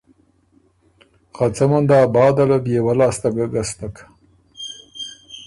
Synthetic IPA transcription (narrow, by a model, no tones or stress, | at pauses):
qat͡samand̪ɑːbɑːd̪alad̪jewalɑːst̪aɡaɡast̪ak